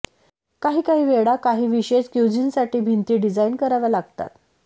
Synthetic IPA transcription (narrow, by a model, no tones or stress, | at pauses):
kaɦiːkaɦiːʋeɽakaɦiːʋiɕeskjud͡ʑinsaʈiːbʱint̪iːɖid͡zainkəɾaʋalaɡt̪a̰t̪